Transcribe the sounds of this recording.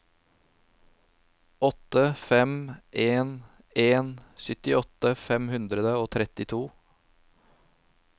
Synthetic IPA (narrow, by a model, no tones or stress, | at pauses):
ɔt̪əfɛmʔeːn | eːnsʏt̪ɪɔt̪əfɛmhʉnd̪ɾəd̪əoːt̪ʰɾɛt̪ɪt̪ʰuː